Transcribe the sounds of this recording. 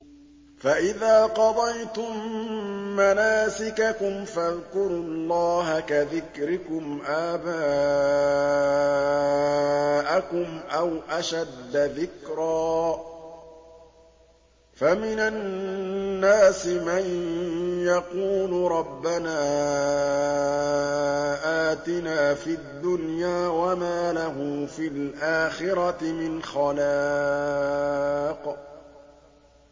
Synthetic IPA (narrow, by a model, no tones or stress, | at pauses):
faʔɪðaːqɑd̪ˤɑjt̪ʊmː | anaːsɪkakʊmfaðkʊɾʊlˤːɑːɦakaðɪkɾɪkʊmʔaːbaː | ʔakʊmʔawʔaʃad̪ːaðɪkɾaː | famɪnaː | aːsɪman | jaquːlʊɾˤɑbːanaː | ʔaːt̪ɪnaːfiad̪ːʊnjaːwamaːlaɦʊfilʔaːxɪɾɑt̪ɪmɪnxɑla | q